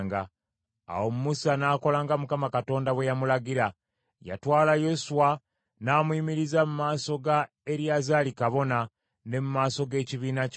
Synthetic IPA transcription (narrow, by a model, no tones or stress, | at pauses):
ŋɡa | a̰wo̞mumusanaːko̞laːŋɡamukamakato̞ːndaβwe̞jamulaɟiɾa | ja̰twaːlajo̞suwa | naːmuiːmiɾizamumaːso̞ɡa | e̞ɾjazalikaβo̞na | ne̞mumaːso̞ɡe̞ːciβiːnac